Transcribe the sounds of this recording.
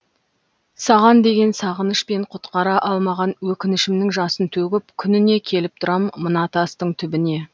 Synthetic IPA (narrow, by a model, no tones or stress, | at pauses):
sɑʁɑnd̪e̞ɡʲe̞nsɑʁənəʃpe̞ɴqʰʊt̪qɑɾɑʔɑlˠmɑʁɑnwɵkʲɪnɪʃɪmnɪŋʒɑsənt̪ʰɵɡʲɪp̚kʲʰʏnɪne̞kʲʰe̞lɪp̚t̪ʰʊɾɑmːənɑt̪ʰɑst̪əɴt̪ʰʏbɪne̞